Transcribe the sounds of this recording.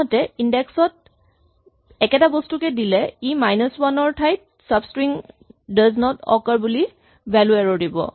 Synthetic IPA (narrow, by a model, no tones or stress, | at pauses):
ɔtɛindɛksɔt̚ | ɛkɛtabɔstukɛdilɛimajnəswanɔɹtʰajt̚ | sabskɹiŋ | daznɔtɔ̰kaɹbuli | bɛluɛɹɔdibɔ̰